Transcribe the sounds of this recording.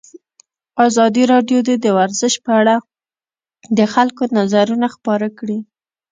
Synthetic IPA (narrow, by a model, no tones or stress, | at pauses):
ɑzɑd̪iɾɑɖjod̪ed̪əwaɾzəʃpəaɽa | d̪əxalkonazaɾunaxpɑɾakɽi